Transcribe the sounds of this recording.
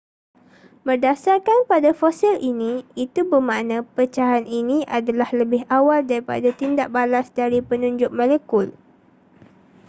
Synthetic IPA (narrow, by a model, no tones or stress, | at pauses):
bərdasarkanpadafosilinĩit̪ubəmãnãpət͡ʃaɦaninĩʔadalahləbɪɦawaldaɾipa̰dat̪indaʔ̚balasdaɾipənũɲd͡ʒʊk̚mãləkʊl